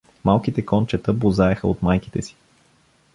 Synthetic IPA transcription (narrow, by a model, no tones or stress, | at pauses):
malˠkit̪ɛkɔnt͡ʃɛt̪əbozaɛxə̰ot̪majki̥t̪ɛsi̥